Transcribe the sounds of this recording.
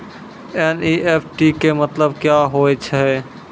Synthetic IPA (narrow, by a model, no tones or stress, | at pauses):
eniʔepʰʈikemət̪ləb̚kjaɦojt͡ʃʰɛ